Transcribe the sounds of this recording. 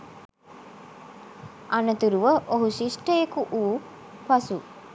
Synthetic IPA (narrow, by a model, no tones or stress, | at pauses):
anət̪uɾuʋəʔoɦuʃisʈəjekuʔuː | pasu